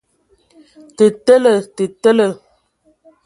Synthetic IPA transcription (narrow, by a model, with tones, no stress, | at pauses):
tə˨tə˦lə˨tə˨tə˦lə˨